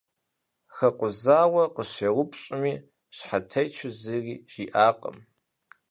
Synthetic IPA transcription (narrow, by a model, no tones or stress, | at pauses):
xɐqʷʊzaːwɐqəɕewʷʊpʰɕʼɪmiː | ɕħatʰɐjt͡ʃʰɨzɨriːʒ̥iːʔaːqʼə̰m